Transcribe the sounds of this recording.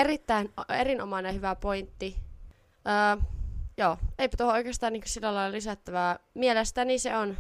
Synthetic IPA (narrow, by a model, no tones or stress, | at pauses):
erit̪ːæinerinomɑnehyʋæpoint̪ːi | ʔəːjoːeipæ̥t̪ohooˑikest̪ɑːniːŋkø̥silːælɑilɑlisæt̪ːæʋæːmielest̪æniseon